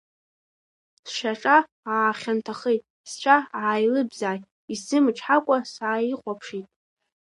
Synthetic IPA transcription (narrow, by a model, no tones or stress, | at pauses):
sʃaʈ͡ʂʼa | aːχʲantʰaχejtʼ | st͡ʃʷʰaʕaːjlɨbzaːj | isɨmʈ͡ʂʰħakʷʼasaːiqʷʼapʰʂitʼ